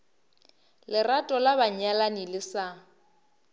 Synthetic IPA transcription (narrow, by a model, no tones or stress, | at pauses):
lɪratʼɔlabaɲalanilɪsa